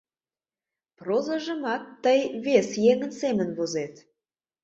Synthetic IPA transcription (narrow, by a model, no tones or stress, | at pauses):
prozəʒə̆mɑk̚t̪əjβesjeŋə̆nsemənβozet̪